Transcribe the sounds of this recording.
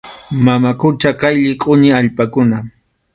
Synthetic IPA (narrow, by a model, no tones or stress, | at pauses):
mamakʊt͡ʃaqɑjʎɪkʼʊɲɪaʎpakʊna